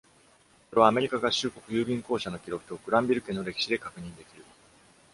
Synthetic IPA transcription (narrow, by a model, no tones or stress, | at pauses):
so̞ɾe̞βaːme̞ɾʲikaɡaɕɨːko̞kɯ̟jɯːbʲĩŋko̞ːɕano̞kʲiɾo̞kɯ̟̥t̪o̞kɯ̟ɾãmbʲiɾɯ̟kẽ̞nːo̞ɾe̞kʲi̥ɕid̪e̞kakɯ̟ɲ̟ĩnd̪e̞kʲiɾɯ̟